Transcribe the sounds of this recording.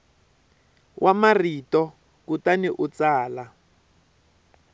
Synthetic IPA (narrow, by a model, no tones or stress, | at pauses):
wʔamaritɔ | kutaniʔut͡saːla